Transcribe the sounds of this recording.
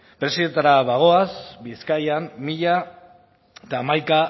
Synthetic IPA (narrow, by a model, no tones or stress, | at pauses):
pɾe̞siðe̞nt̪aɾaβaɣ̞o̞asbiskajamːiʎa | t̪aːmajka